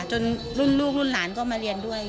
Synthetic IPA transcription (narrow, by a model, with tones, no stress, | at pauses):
t͡ɕo˧n | ɾu˥˩nluː˥˩k̚lu˥˩nlaː˩˦nkɔː˥˩maː˧ɾi˧əndu˥˩əj